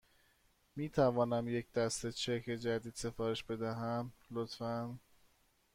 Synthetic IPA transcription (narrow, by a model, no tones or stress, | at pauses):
miːt̪ʰævɒːnæmje̞cʰd̪̥æst̪e̞t͡ʃʰekʰed͡ʒæd̪iːd̪̥se̞fɒːɾeʃbe̞d̪æɦæmlot̪fæn